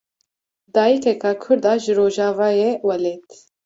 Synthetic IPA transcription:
d̪aːjikʰɛkʰɑːkʰʊɾd̪ɑːʒɨɾoːʒɑːvɑːjewɛlɛt̪

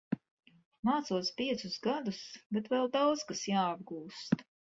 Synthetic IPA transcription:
maːt̪suɔspiɛt̪sʊsɡad̪usbɛt̪vɛlˠd̪awd̪zkasjaːab̚ɡuːst̪

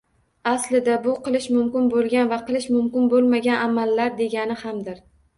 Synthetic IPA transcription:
aslɪd̪abʊqɨlˠɪʃmʊmkʲɪnbolˠɡʲanvaqɨlˠɪʃmʊmkʲɪnbolˠmaɡʲanʔamalːaɾd̪e̞ɡʲanɪhamd̪ɪɾ

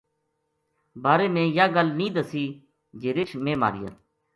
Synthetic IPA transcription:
baːɾeːmẽːjaːɡəlnĩːd̪əsiː | d͡ʒeːɾɪt͡ʃʰmẽːma̰ːɾɪ̰ja̰ː

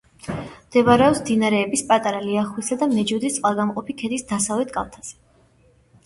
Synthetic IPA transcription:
md̪̥ɛvaɾɛɔpsmd̪inaɾɛːbispʼat̪ʼaɾaliaχwisad̪amɛd͡ʒud̪ist̪ʼqʼalˠɡamqʼɔpʰikʰɛd̪isd̪asavlɛt̪ʰkʼa̰lt̪ʰaz̥ɛ̥

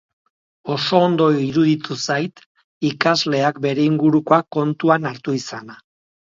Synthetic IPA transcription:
o̞so̞ːnd̪o̞iɾuðit̪usajt̪ | ikazle̞akbe̞ɾe̞iŋɡuɾukoako̞nt̪uanaɾt̪uisana

